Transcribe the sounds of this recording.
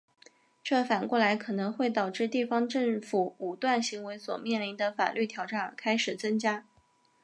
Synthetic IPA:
ʈ͡ʂɤ˥˩fa˨˩nkwɔ˥˩la˧˥ɪkʰɤ˨˩nɤ˧˥ŋxwe˥˩ɪt̪ɑ˨˩ʊʈ͡ʂɻ̩˥˧t̪i˥˩fɑ˥ŋʈ͡ʂɤ˥˩ŋfu˨˩u˨˩t̪wa˥˩nɕi˧˥ŋwe˧˥ɪswɔ̰˨˩mjɛ˥˩nli˧˥nd̪ə˧fa̰˨˩lʔy˥˩t̪ʰjɑ˨˩ʊʈ͡ʂa˥˩nə˞˧˥kʰa˥ɪʂɻ̩˨˩t͡sə˥ŋt͡ɕja˥

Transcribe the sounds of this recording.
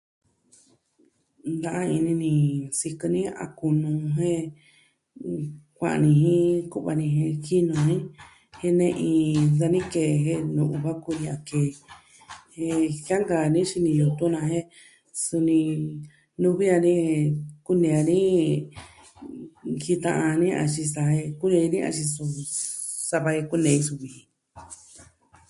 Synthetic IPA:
nd̪ã˧ʔã˦i˧nĩ˧nĩ˧si˧kɨ˧nĩ˦a̰˧ku˧nũ˧ɦẽ˦ | kʷã̰˧˨a̰˧nĩ˧ɦĩ˦ku˦ʔβa˧nĩ˧ɦẽ˧ki˦nũ˧ɦĩ˦ | he˦nẽ˧ʔĩ˧d̪a˧nĩ˦ke˧˨˧ɦe˦nũ˨˧ʔu˧˨βa˦ku˧nĩ˧a˧˨keː˨ | he˧hja˦ŋɡa˨nĩ˦ʃi˧nĩ˧ju˧t̪u˦nã˧ɦẽ˦ | su˧nĩ˧ | nũ˧βi˦a˧nĩ˦e˧ku˦nẽ˧a˧nĩ˦ | hi˧t̪ã˧ʔã˧nĩ˦ʔa̰˧t͡ʃi˧sa˧he˧ku˦nẽ˧i˧nĩ˦a̰˧ʃi˧su˧ | sa˧βa˧he˧ku˦nẽ˨˧ĩ˧su˧βi˨hĩ˧

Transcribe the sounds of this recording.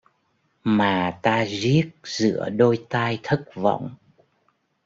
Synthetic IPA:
maː˨˩t̪aː˧zi˦˥ək̚z̥ɨ̰˧˥əɗo˧jt̪aː˧jt̪ʰə˦˥k̚vɔ̰˧˨wŋ͡m

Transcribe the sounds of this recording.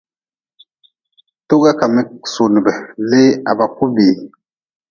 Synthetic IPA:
to˦ɡa˦ka˨mi˦so˨n˨bɛ˨le˦a̰˨ba˨ku˦bi˨

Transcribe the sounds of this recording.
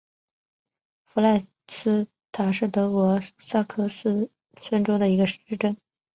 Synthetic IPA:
fu˧˥la˥˩ɪ | sɹ̩˥ | t̪ʰa˨˩ʂɻ̩˥˩t̪ɤ˧˥kwɔ˧˥sa˥˩kʰɤ˥sɹ̩˥ | sə˥nʈ͡ʂo˥ʊd̪ə˨i˧˥ɡə˧ʂ̩˥ʈ͡ʂə˥˩n

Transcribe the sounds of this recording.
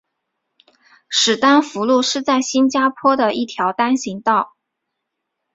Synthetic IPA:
ʂɻ̩˨˩t̪a˥nfu˧˥lu˥˧ʂɻ̩˥˧t͡sa˥˩ɪɕi˥nt͡ɕja˥pʰwɔ˥d̪ə˨ʔi˥˩t̪ʰjɑ˧˥ʊt̪a˥nɕi˧˥ŋt̪ɑ˥˩ʊ

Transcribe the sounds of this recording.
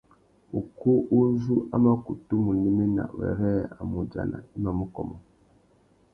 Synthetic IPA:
u˨ku˦ʔu˦zu˦ʔa˦ma˦ku˨tu˦mu˨ni˦me˦na̰˨wɛ̰˨ɾɛ˦a˨mu˨d͡ʒa̰˨na̰˨i˦ma˦mu˦kɔ˨mɔ˨

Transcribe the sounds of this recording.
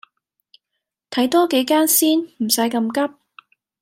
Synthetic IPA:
t̪ʰɐ˨˥jt̪ɔː˥ke˨˥jkaː˥nsiː˥nm̩˨˩sɐ˨˥jkɐ˧mkɐ˥p̚

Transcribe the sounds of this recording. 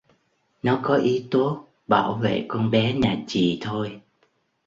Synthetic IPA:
nɔ˨˦kɔ˨˦ʔi˨˦t̪o˦˥t̚ | ɓaː˧˩wvḛ˧˨kɔ˧nɓɛ˨˦ɲaː˨˩t͡ɕḭ˨t̪ʰo˧j

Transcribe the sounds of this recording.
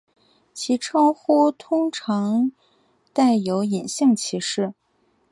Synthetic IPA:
t͡ɕʰi˧˥ʈ͡ʂʰɑ˥xu˥t̪ʰʊ˥ŋʈ͡ʂʰɑ˧˥ŋ | t̪a˥˩ɪjo˧˥ʊi˨˩nɕi˥˩ŋt͡ɕʰi˧˥ʂɻ̩˥˩

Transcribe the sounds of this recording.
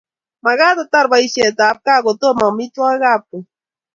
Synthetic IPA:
ma˨ɣa˦t̪ot̪a˦ɾba˨i˦se˨t̪aː˨˦p̚ka˦ɣo˨t̪o˦ma˨mi˦t̪wa˦ɣap̚u˨

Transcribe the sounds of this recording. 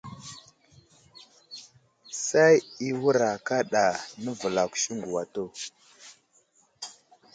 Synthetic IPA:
sa˦ji˦wu˦ɾa˨ka˦ɗa˨nə˦və˨la˨ku̥˨ʃi˦ŋɡu˨wa˨to˦˨

